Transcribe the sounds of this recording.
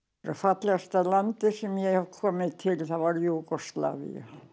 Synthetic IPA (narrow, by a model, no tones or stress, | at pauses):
rɑfɑt̪lɑst̪ɑlɑnt̪ːesimiejokʰːomet̪ʰhelʲt̪ɑʋɑljuːkoslɑ̰ʋḭɑ̰